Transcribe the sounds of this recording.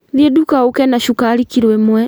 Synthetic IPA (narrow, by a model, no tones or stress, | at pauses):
ljɛdukaukɛnaʃukalikiɾwɛmwɛ